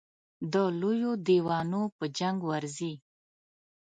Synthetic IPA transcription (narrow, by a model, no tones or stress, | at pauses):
d̪əlojod̪iwɑnopəd͡ʒaŋɡwaɾzi